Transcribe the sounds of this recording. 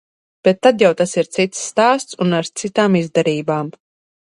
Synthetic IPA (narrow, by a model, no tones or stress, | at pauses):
b̥et̪ːad̪jawt̪asiɾt̪sit̪sːt̪aːst̪sunaɾt̪sit̪aːmizd̪ɛɾiːbaːm